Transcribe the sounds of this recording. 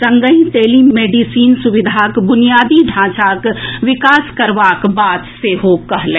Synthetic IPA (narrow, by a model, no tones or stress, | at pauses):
sɐ̃ŋɡəĩt̪eːlimeːɖisiːnsʊʋɪd̪ʱaːkbʊnijaːd̪iɖʱãːt͡ʃaːkʋɪkaːskɐɾʋaːkbaːt̪seɦoːkɐɦlẽ